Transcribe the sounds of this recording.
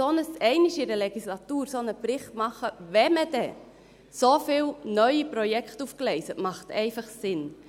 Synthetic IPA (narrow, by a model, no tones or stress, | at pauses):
onəsɛɪniʃɪɾəleɡ̥islɑtuːɾsonəpɾɪχtmɑχəʋɛməd̥ɛ | sofɪːlnœʏipɾɔjɛkχtufklɛɪsətmɑχtɛɪfɑχsɪn